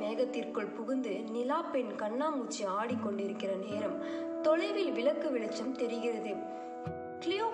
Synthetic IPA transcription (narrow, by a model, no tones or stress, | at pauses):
eːɣɐt̪ːɪrkɯɭpʊɣʊnd̪ɯnɪlaːpɛnkɐɳːaːmut͡ʃːiaːɽikːɔɳɖɪɾɯkːɪrɐneːɾɐm | t̪ɔɭɐɪʋɪlʋɪɭɐkːɯʋɪɭɐt͡ʃːɐmt̪ɛɾɪɣɪrɐðɯ | klɪjoː